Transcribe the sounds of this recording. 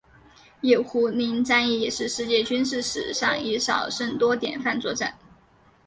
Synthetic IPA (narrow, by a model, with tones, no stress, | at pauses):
jɛ˥˨˩ʊxu˧˥ni˧˥ŋt͡sa˥ni˥˩jɛ˨˩ʂɻ̩˥˧ʂɻ̩˥˧t͡ɕjɛ˥˩t͡ɕy˥nʂ̬ɻ̩˥˩ʂɻ̩̰˨˩ʂɑ˥˩ŋi˧˥ʂɑ˨˩ʊʂə˥˩ŋt̪wɔ˥t̪jɛ̰˨˩nfa˥˧nt͡swɔ˧˥ʈ͡ʂə˥˩˦n